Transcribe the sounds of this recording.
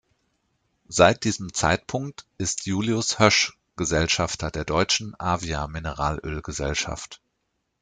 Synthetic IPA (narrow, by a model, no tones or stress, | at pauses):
z̥aɪt̚d̥iːzəmt͡sa̰ɪtpʰʊŋktʔɪstʰjuːliʊshœʃ | ɡ̥əzɛlʃaftʰɐdeːɐdɔʏt͡ʃn̩ʔaːviaminəʁaːlʔʏ̰lɡəzɛ̰lʃa̰ft